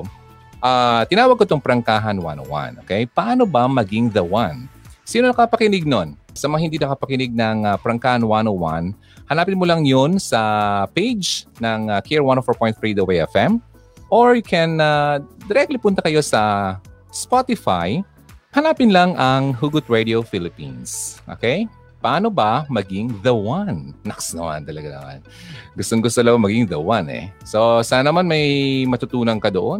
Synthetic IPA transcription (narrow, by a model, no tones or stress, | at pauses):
ʔat̪ɪnaːwɐɡ̚kot̪oŋpɾɐŋkaːɦɐnwa̰no̰wa̰nʔo̰ːkɛjpɐʔaːnobɐmɐɡɪŋðɐwansiːnonɐkɐapɐkɪnɪɡ̚nonsɐmɐŋahɪnd̪inɐkɐpɐkɪnɪɡ̚nɐŋapɾɐŋkaːhɐnwanowa̰n | hɐnaːpɪnmolɐŋjonsɐpejd͡ʒnɐŋakʰiɹwanofoɹpojnθɹid̪oweɛ̰fɛm | ʔoɹkɛnad̪ɛɾɛk̚t̪lipʊnt̪ɐkɐjo̞sɐ | spat̪ɪfaj | hɐlaːpɪnlɐŋʔɐŋɦuɡʊt̪̚ɹed̪iofɪlɪpḭ̃nsʔo̰kej | pɐʔaːnobɐmɐɡɪŋðɐwanːɐksnɐma̰nt̪ɐlɐɡanɐ̰ma̰nɡʊst̪oŋɡʊst̪olɐbɐmɐɡɪŋd̪ɐwanɛ̰sosaːnɐnɐmanmɐjmɐt̪ʊt̪uːnɐŋkɐd̪oʔon